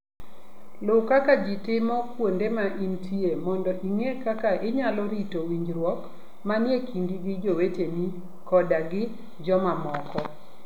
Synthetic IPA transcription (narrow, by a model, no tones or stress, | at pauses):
lʊkakad͡ʒɪtɪmɔkwondemaʔintʰiemɔndɔʔiŋekakaʔɪɲalɔɾitowiɲd͡ʒɾwɔk | manjekiŋɡiɡɪd͡ʒoweteni | kɔdaɡɪ | d͡ʒɔmamɔkɔ